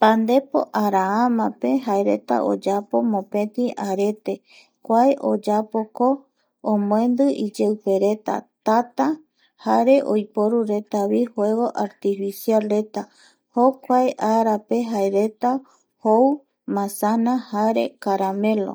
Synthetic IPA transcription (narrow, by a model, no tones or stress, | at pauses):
pand̪e̞po̰ʔaɾaamãpe̞ɦaeɾe̞̰t̪a̰ʔo̰d͡ʒapo̞mõpẽ̞t̪ĩʔaɾe̞t̪e̞ | kʷaeʔod͡ʒapoko | õmõẽ̞nd̪ɨʔid͡ʒewpe̞ɾe̞t̪a̰t̪at̪a | haɾe̞ʔojpoɾuɾe̞t̪aβihwe̞ɣo̞ʔaɾt̪ifisialɾe̞t̪a | hokʷaeʔaɾape̞ɦaeɾe̞t̪a | how | mãsanahaɾe̞̰kaɾame̞lo̰